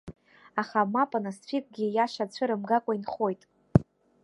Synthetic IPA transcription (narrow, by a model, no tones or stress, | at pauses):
aχamapʼanasfʷʰikʼɡʲijaʃat͡ɕʷʰɨɾɨmɡakʷʼainχo̞jtʼ